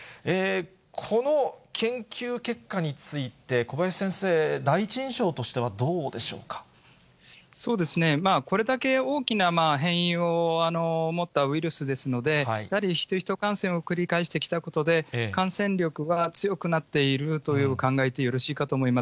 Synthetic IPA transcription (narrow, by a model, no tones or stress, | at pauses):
e | kʰo̞no̞kʰẽ̞ŋkʲɨːke̞kːaɲ̟it͡sɨit̪e̞ko̞bajaisẽ̞ɰ̃se̞ːd̪ait͡ɕĩɰ̃ɕo̞ːt̪o̞ɕi̥t̪e̞βad̪o̞ːd̪e̞ɕo̞̰ːkḁ | so̞ːd̪e̞sɨne̞maːko̞ɾe̞d̪ake̞o̞ːkʲinamaːɦẽ̞ɰ̃ĩo̞ano̞mo̞t̪ːaɯ̟iɾɯ̟sɨd̪e̞sɨno̞d̪e̞ijahaɾʲiçi̥t̪oçi̥t̪o̞kãɰ̃sẽ̞ɰ̃o̞kɯ̟ɾʲikaeɕi̥t̪e̞kʲi̥t̪ako̞t̪o̞d̪e̞kãɰ̃sẽ̞ɲɾʲo̞kɯ̟βat͡sɨjo̞kɯ̟nat̪ːe̞iɾɯ̟t̪o̞jɯ̟ːkãŋɡaet̪e̞jo̞ɾo̞ɕiːkat̪oːmo̞imas